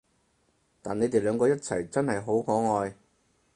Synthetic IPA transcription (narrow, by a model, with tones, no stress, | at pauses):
t̪aː˨nːe˨˧jt̪e˨jlœː˨˧ŋkɔː˧jɐ˥t̚t͡sʰɐ˨˩jt͡sɐ˥nhɐ˨jɦo˨˥wkɔː˨˥ŋɔː˨˧j